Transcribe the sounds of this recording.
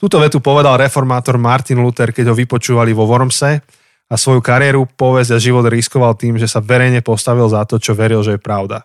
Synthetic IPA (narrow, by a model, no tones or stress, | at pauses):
t̪uːt̪ɔʋɛt̪upɔʋɛd̪alɾɛfɔɾmaːt̪ɔɾmaɾt̪inlut̪ɛɾkɛɟɦɔʋipɔt͡ʃuːʋaliʋɔʋɔɾmsɛ | asʋɔjukaɾɪjɛɾupɔʋɛzɟaʒiʋɔd̪ɾiskɔʋalt̪iːmʒɛsaʋɛɾɛjɲɛpɔst̪aʋilzat̪ɔt͡ʃɔʋɛɾilʒɛjɛpɾaʊd̪a